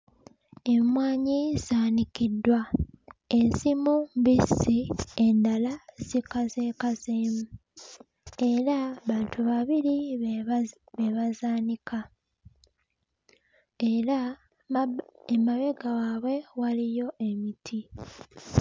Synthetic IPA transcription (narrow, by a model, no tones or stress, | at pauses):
e̞mwaːɲiz̥aːnikidːwa | e̞nsimumbisiendalaz̥ikaze̞ːkazemu | e̞ɾaβaːntʰuβaβiɾi | βe̞βazaːnikʰa | eɾa | emaβe̞ɡawaːβwe̞walijo̞ʔe̞mitʰi